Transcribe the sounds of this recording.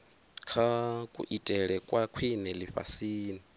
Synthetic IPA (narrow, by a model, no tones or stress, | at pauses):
kʰakʼṵʔitʼɛɺɛkʼwakʰwinɛliɸa̰siːni